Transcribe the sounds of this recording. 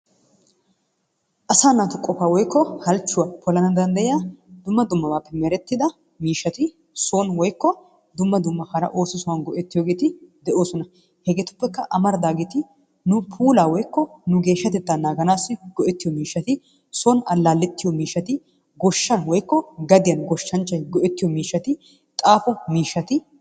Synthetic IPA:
ʔɐsaːnːaːt̪ʊkʼːɔfaːwɔjkːɔhɐlt͡ʃːʊwɐpʰɔlɐnɐd̪ɐnd̪ɐjjaːd̪ʊmːɐd̪ʊmːɐwaːpːɛmɛɾɛt̪ːɪd̪ɐ | miːʃːɐt̪ɪ | sonwɔjkːɔ | d̪ʊmːɐd̪ʊmːɐkaːɾɐ̰ʔo̞ːsɪsʊwɐnɡɔʔɛt̪ːɪjoːɡe̞ːt̪ɪd̪ɛʔo̞ːsɔnɐ | hɛɡeːt̪ʊ̥pːɛkːɐʔɐmɐɾd̪aːɡeːt̪ɪ | nʊpʰuːlaːwɔjkːɔnʊɡe̞ːʃːɐt̪ɛt̪ːaːnaːɡɐnaːsːɪɡ̥ɔʔɛt̪ːɪjɔmiːʃːɐt̪ɪ | sɔnɐlːaːlːɛt̪ːɪjɔmiːʃːɐt̪ɪ | ɡɔʃːɐnwɔjkːɔɡɐd̪ɪjɐnɡɔʃːɐnt͡ʃːɐjɡɔʔɛt̪ːɪjɔmiːʃːɐt̪ɪ | t̪ʼaːfɔmiːʃːɐt̪ɪ

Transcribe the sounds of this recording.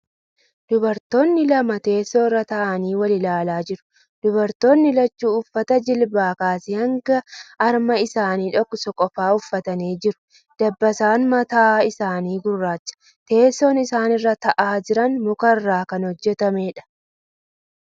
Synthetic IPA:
d̪̥ʊbɐɾt̪oːnːɪlɐmɐt̪e̞ːsːo̞ːrːɐt̪ɐʔɐniːwɐlɪlaːlaːd͡ʒɪɾʊ̥ | d̪̥ʊbɐɾt̪o̞ːnːɪlɐt͡ʃːuːʊfːɐt̪ɐd͡ʒɪlbaːkaːsɪhɐŋɡɐɐɾmɐɪsaːniːᶑɔkːɔsɔkʼːɔfaːʊfːɐt̪ɐneːd͡ʒɪɾʊ̥ | d̪̥ɐbːɐsaːnmɐt̪aːɪsaːniːɡʊrːaːt͡ʃːɐ̥ | t̪e̞ːsːoːnɪsaːnɪrːɐt̪ɐʔaːd͡ʒɪɾɐnmʊkɐrːaːkɐnhɔd͡ʒːɛt̪ɐmeːᶑɐ̥

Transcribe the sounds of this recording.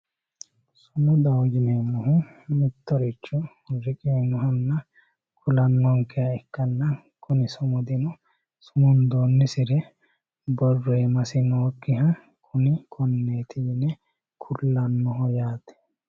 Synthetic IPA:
sʊmʊd̪ɐwɡɪnemʊɦʊmɪt̪ːɔɾɪt͡ʃːʊ | ɾɪkʼɪnɔɦɐnːɐ | kʰʊlɐnːɔŋkːɛjɐɛkːɐnːɐ | kʰʊnɪsʊmʊd̪ɪnɔ | sʊmʊnd̪oːnːɪsɪɾɛ | bɔrːeːmɐsɪnoːkːɪɦɐ | kʰʊnɪkʰɔnːeːt̪ʰɪɡɪnɛ | kʰʊlːɐnːɔɦɔjaːt̪ɛ̥

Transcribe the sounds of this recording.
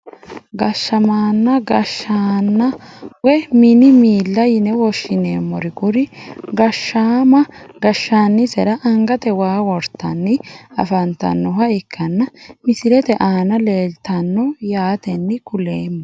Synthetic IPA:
ɡɐʃːɐmaːnːɐɡɐʃːaːnːɐwɛmɪnɪmiːlːɐjɪnɛwɔʃːɪneːmːɔɾɪkʊɾɪɡɐʃːaːmɐɡɐʃːaːnːɪsɛɾɐʔɐŋɡɐt̪ɛwaːwɔɾt̪ːɐnːɪɐ̰fɐnt̪ɐ̰nːɔhɐɪkʰːɐnːɐmɪsɪɾɛt̪ɛʔaːnɐle̞ːlt̪ɐnːɔjaːt̪ɛnːɪkʊleːmːɔ

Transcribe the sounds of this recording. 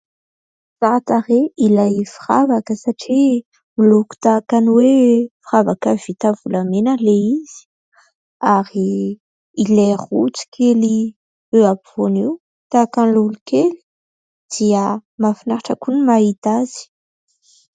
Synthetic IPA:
z̥aɾat̪aɾeilajfiravakəsaʈ͡ʂi | miluku̥t̪akanwefiravakəv̥it̪avulamenəleiz̥i̥ | aɾiː | leʁut͡si̥kʰeli | øapiv̥oniw | t̪akanlulukeli̥ | d̪̥iəmafinaɾaʈ͡ʂakunimait̪az̥i̥

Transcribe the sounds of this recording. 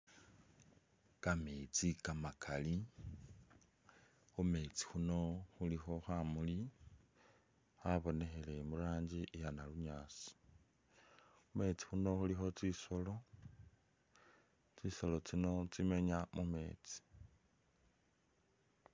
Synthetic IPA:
kamet͡sikamakʰali | xume̞ːt͡si̥xuno̞xulixo̞xamuli | aβo̞ne̞xe̞le̞mulaːɲd͡ʒiʔjanaluɲaːt͡si̥ | ume̞t͡si̥xuno̞xulixo̞t͡sisolo̞ | t͡sisolo̞t͡sino̞t͡sime̞ɲamume̞̰ːt͡si̥

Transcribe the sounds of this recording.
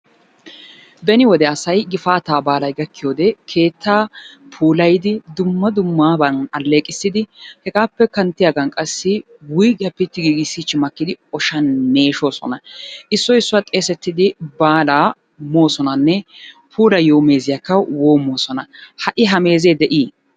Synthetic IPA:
bɛnɪwɔd̪ɛɐsɐjɡɪfaːt̪aːbaːlɐjɡɐkːɪjo̞ːd̪ɛkʰe̞ːt̪ːaːpʰuːlɐjd̪ɪd̪ʊmːɐd̪ʊmːaːbɐnɐlːe̞ːkʼɪsːɪd̪ɪhɛɡaːpːɛkɐnt̪ːɪjaɡɐnkʼɐsːɪ | wʊjɡɐpːɪt̪ːɪɡiːɡɪsːɪt͡ʃːɪmɐkːɪd̪ɪɔʃɐnːe̞ːʃo̞ːsɔ̰nɐʔɪsːɔɪsːʊat̪ʼe̞ːsɛt̪ːɪd̪ɪbaːlaː | moːsɔnɐnːɛ | pʰuːlɐjo̞ːme̞ːzɪjakːɐwoːmoːsɔnɐhɐʔɪɦɐme̞ːzeːd̪ɛʔiː

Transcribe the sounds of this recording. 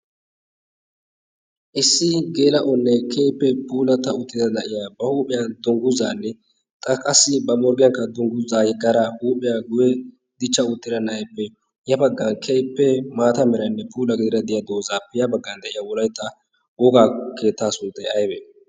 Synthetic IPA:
ʔɪsːɪɡe̞ːlɐʔɔnːɛkʰejpːɛpuːlɐt̪ːɐʊt̪ːɪd̪ɐnɐʔɪjabɐhuːpʼːɪjɐnd̪ɔŋɡʊza̰ːnːɛ | t̪ʼɐkʼɐsːɪbɐmɔɾɡɪjɐŋkːɐd̪ɔŋɡʊzaːjɛɡɐɾɐhuːpʼːɪjaɡʊjɛ | d̪ɪt͡ʃːɐʊt̪ːɪd̪ɐnɐɐjpːɛ | jɐbɐɡːɐnkʰejpːɛmaːt̪ɐmɛɾɐnːɛpʰuːlɐɡɪd̪ɪɾɐd̪ɪjad̪o̞ːzaːpːɛjɐbɐɡːɐnd̪ɐʔɪjawɔlɐjt̪ːɐ | wɔɡaːkʰeːt̪ːaːsʊnt̪ʼːɛɐjbɛ

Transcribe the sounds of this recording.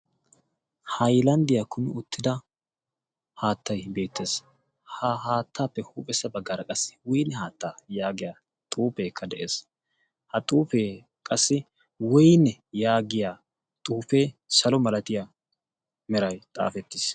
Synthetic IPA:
hɐjlɐnd̪ɪjakʰʊnʊʊt̪ːɪd̪ɐ | haːt̪ʰːɐjbe̞ːt̪ːe̞ːs | haɦaːt̪ːaːpːɛhuːpʼɛsːɐbɐɡːaɾɐkʼɐsːɪ̥wɔjnɛhaːt̪ːaːjaːɡɪjaː | t̪ʼuːpeːkʰːɐd̪ɛʔeːs | hɐt̪ʼuːfeː | kʼɐsːɪ | wɔjnːɛjaːɡɪjaː | t̪ʼuːpe̞ːsɐlɔmɐlɐt̪ɪja | mɛɾɐjt̪ʼa̰ːfɛt̪ːɪs

